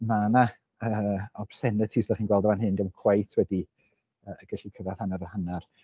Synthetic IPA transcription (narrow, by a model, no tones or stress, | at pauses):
mana | əːɔb̥sɛnətʰiːsdaχiːnɡwɛlˠdɔvanɦɨndɛwkʰw̥ajtʰwɛdi | əːəɡ̥əɬikʰəvaθhanaɾəhanar